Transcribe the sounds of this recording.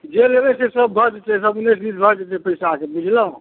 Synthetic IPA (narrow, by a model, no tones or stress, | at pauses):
d͡ʒelebɛsesəbbʱəɾd͡ʒet̪ɛsəbunːesd̪isbʱəɾd͡ʒet̪ɛpəjsaakebud͡ʒʱləɦũ